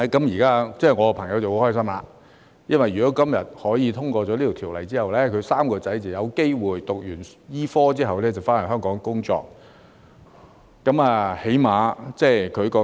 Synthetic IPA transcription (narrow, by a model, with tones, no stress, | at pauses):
kɐ˨˥mjiː˨kaː˥t͡sɛː˥˩jŋɔː˨˧ɔ˧pʰɐ˨˩ŋjɐ˨˧wt͡sɐ˨who˨˧˥hɔː˥js̬ɐ˥mlaː˨˧ | jɐ˥nwɐ˨jy˨˩kɔː˨˥kɐ˥mjɐ˨t̚hɔː˨˥jiː˨˧t̪ʰʊ˥ŋkɔː˧t͡sɔː˨˥liː˥t̪i˨˩t̪ʰiː˨˩wlɐ̰˨˩jt͡siː˥hɐ˨wlɛː˥kʰɵ˨˧saː˥mkɔː˧t͡sɐ˨˥jt͡sɐ˨wjɐ˨˧wke˥jwuː˨jt̪ʊ˨k̚jyː˨˩n | jiː˥fɔː˥t͡siː˥ɦɐ˨wlɛː˥t͡sɐ˨˩wfaː˥nɐ˨˩ɦœː˥ŋkɔː˨˥ŋkʊ˥ŋt͡sɔ̰ː˧k̚ | ɐ˨˥maː˨he˨˥jmaː˨˧t͡sɛː˧˩jkʰɵ˨˧ɥkɔː˧˥